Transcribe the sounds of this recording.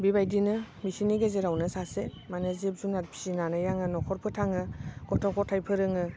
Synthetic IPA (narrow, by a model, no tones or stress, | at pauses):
bibajdinɯ | misiniɡezeɾawnɯsase | manezep̚zunat̚pʰi̥sinanɯjaŋɯnɔkʰɔɾpʰɯtʰaŋɯɡɔtʰɔkʰɔtʰajpʰɯɾɯŋɯ